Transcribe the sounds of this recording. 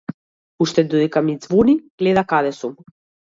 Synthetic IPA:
uʃt̪ɛd̪ɔd̪ɛkamid̪zvɔniɡ̥lɛd̪akad̪ɛsum

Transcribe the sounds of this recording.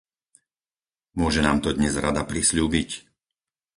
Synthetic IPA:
mʊɔʒɛnaːmt̪ɔd̪ɲɛzɾad̪apɾisʎuːbic

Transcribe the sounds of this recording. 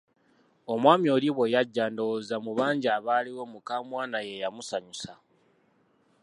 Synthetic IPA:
o̞mwaːmio̞liβwe̞jaɟːaːndowozamuβaːɲɟaːβaːliwo̞mukaːmwaːnaje̞jamusaɲusa

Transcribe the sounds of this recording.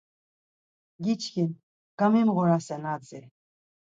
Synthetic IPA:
ɡʲit͡ʃʰɡʲin | ɡ̥amimʁɔɾasɛnad͡zɛ

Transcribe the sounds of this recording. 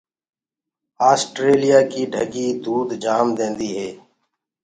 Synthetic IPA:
aːsʈɾeːlɪjaːkiːɖʱəɡiːd̪uːd̪d͡ʒaːmd̪ẽːnd̪iːɦeː

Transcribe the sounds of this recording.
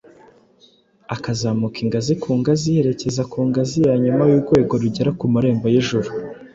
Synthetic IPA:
akazamukiŋɡazikʰuːŋɡazihe̞ɾe̞ce̞zakuːŋɡazijaɲumajuɾɡwe̞ːɡo̞ɾuɟeɾakumuɾe̞ːmbojeʒuɾu

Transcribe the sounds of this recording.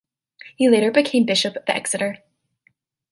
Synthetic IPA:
hileɪɾə˞bɨkʰẽɪ̃mbɪʃɨpʌvðɛ̰ksɨɾə˞

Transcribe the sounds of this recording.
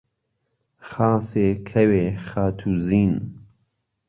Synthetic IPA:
xaːseːkʰɛweːxaːt̪ʰuːziːn

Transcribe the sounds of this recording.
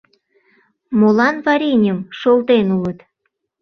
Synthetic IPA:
molɑnvɑɾʲinʲəmʃolt̪enulət̪

